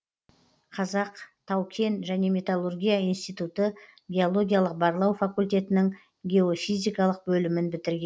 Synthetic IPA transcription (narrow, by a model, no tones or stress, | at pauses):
qʰɑzɑqt̪ʰɑwkʲʰe̞nʒæne̞mʲe̞t̪alˠurɡʲijaijnst̪ijt̪ut̪ə | ɡʲe̞olˠo̞ɡʲijalˠəq̚bɑɾlˠɑwfakulʲt̪̬ʲe̞t̪ɪnɪŋ | ɡʲe̞o̞fijzijkɑlˠəq̚bɵlɪmɪnbɪt̪ɪɾɡʲe̞n